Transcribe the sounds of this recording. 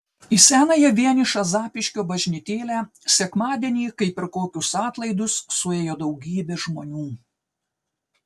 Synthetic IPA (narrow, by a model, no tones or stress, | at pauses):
ɪsʲæːnɐjɛʋʲiɛnʲɪʃɑzɑːpʲɪʃʲkʲoːbɐʒʲnʲɪt̪ʲeːlʲæː | sʲɛkmɑːd̪ʲɛnʲiːkɐɪpʲɪɾkoːkʲʊsɑːt̪lˠɐɪd̪ʊsːʊeːjoːd̪ɐʊɡʲiːbʲeːʒmoːnʲuː